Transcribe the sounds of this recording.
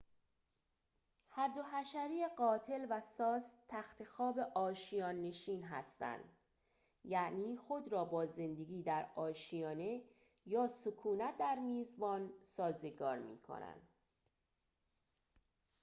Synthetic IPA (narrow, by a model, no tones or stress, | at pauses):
hæɾd̪o̞ɦæʃæɾiːeɢɒːt̪ʰe̞lvæsɒːst̪ʰːæxt̪ʰe̞xɒːbe̞ʔɒːʃijɒːnːe̞ʃiːnɦæ̰st̪æ̰nd̪ | jæʔniːxo̞d̪ɾɒːbɒːze̞nd̪e̞ɡiːd̪æɾɒːʃijɒːne̞ | jɒːsokʰuːnæt̪̚d̪æɾmiːzbɒːnsɒːze̞ɡɒ̰ːɾmḭːkʰo̞̰næ̰nd̪̥